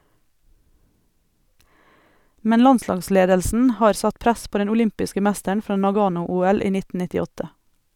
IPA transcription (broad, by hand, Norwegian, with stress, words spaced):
ˈmɛn ˈlɑnˌslɑːɡˌsleːdəlsn̩ ˈhɑːɾ ˈsɑt ˈpɾæs ˈpoː ˈdɛn ʊˈlʏmpɪskə ˈmæstəɳ ˈfɾɑː nɑˈɡɑːnʊˌuːɛl ˈiː ˈnɪt nɪtɪˈɔtə